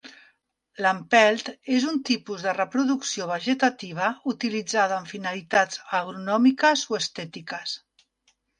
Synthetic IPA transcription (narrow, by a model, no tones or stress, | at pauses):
lampɛlˠt̪ezunt̪ipuzðərəpɾuðuksioβ̞əʒət̪at̪iβ̞əut̪ilid͡zaðəːɱfinalit̪ad͡zəɣɾunɔmikəzoəst̪ɛt̪ikəs